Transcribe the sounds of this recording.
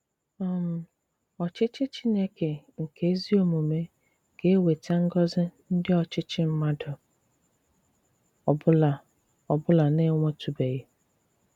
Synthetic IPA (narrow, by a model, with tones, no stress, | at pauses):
ɔ˦m̩˨ | ɔ˨t͡ʃɪ˦t͡ʃɪ˦t͡ʃɪ˦ne˦ke˨ŋ̩˨kʰe˦zi˦o˦˨mu˨me˦ | ke˦e˦we˨ta˦ŋ̩˦ɡɔ˦zɪ˦n̩˦dɪ˦ɔ˨t͡ʃɪ˦t͡ʃɪ˦m̩˦ma˦dɔ˨ | ɔ˨bʊ˦la˨ | ɔ˨bʊ˦la˨ne˦ŋʷɔ˦tʰu˨be˨ɣe˦